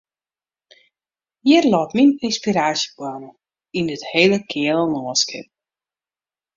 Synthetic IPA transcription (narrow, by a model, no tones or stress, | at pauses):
jiərlɔːtmininspiɾaːsjəkwanə | indətheːləkʰɪələnɔːskɪ̰p